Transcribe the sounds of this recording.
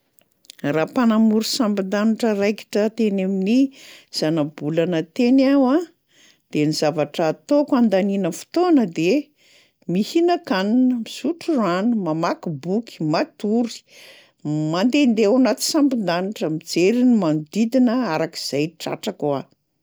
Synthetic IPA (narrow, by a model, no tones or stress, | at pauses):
rapanamuɾusampind̪aniʈ͡ʂərajki̥ʈ͡ʂət̪enaminiz̥anabulanət̪enawa | d̪̥enizavaʈ͡ʂːt̪okand̪aninəfu̥t̪onəd̪e | mihinəkaninəmisuʈ͡ʂuranumamakibuki̥mat̪uɾi̥ | mand̪end̪ewanat̪i̥sampind̪aniʈ͡ʂəmid͡zeɾinimand̪id̪inəaɾaki̥z̥ajʈ͡ʂa̰ʈ͡ʂakwa